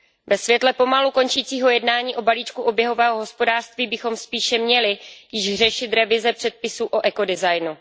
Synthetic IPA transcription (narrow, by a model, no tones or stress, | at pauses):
vɛsvjɛt̪lɛpo̞maluko̞nt͡ʃiːt͡siːɦo̞jɛdnaːɲiːʔo̞baliːt͡ʃkuʔo̞bjɛɦo̞vɛːɦoɦo̞spo̞daːr̝̥st̪viːbɪxo̞mspiːʃɛmɲɛlɪjɪʒr̝ɛʃɪt̪ɾɛvɪzɛpr̝̥ɛt̪̚pɪsuːʔo̞ʔɛko̞dɪzajnu